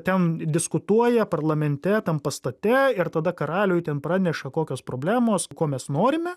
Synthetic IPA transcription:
t̪ʲɛnd̪ʲɪskʊt̪uɔjɛpɐrlˠɐmʲɛnʲt̪ʲɛt̪ɐnpɐst̪ɐt̪ʲɛɪɾt̪ɐd̪ɐkɐɾɑːlʲoːjt̪ʲɛnpɾɑːnʲɛʃɐkoːkʲoːspɾoːbʲlʲæːmoːskoːmʲɛsnoːɾʲɪmʲɛ

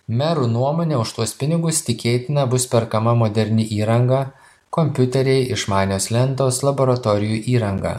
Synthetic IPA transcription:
mʲæɾuːnuɔmoːnʲɛːʊʃt̪uɔspʲɪnʲɪɡʊst̪ʲɪkʲeːt̪ʲɪnɐbʊspʲɛɾkɐmɐmoːd̪ʲɛɾʲnʲɪʔiːɾɐŋɡɑː | kɔmʲpʲʊt̪ʲɛɾʲɛɪʔɪʃmɑːnʲoːslʲɛnˑt̪oːslˠɐboːɾɐt̪oːɾʲɪjuːʔiːɾɐŋɡɑ̰ː

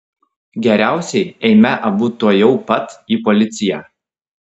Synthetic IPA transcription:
ɡʲɛɾʲæˑʊsʲɛɪɛɪmʲɛʔɐbuːt̪uɔjɛʊpɐt̪iːpɔlʲɪt̪sʲɪjæː

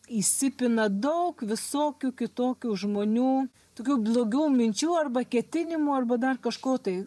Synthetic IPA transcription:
isʲɪpʲɪnɐd̪ɐʊkʋʲɪsoːkʲuːkʲɪt̪oːkʲuːʒmoːnʲuː | t̪oːkʲuːblˠoːɡʲuːmʲɪnʲt͡ʃʲuːɐrbɐkʲɛt̪ʲɪnʲɪmuːɐrbɐd̪ɐrkɐʃkoːt̪ɐɪ

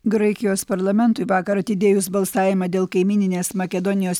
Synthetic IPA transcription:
ɡɾɐɪkʲɪjoːspɐɾlˠɐmʲɛnˑt̪ʊɪʋɑːkɐɾɐt̪ʲɪd̪ʲeːjʊsbɐlˠsɑːʋʲɪmɐd̪ʲeːlˠkɐɪmʲiːnʲɪnʲeːsmɐkʲɛd̪ɔnʲɪjoːs

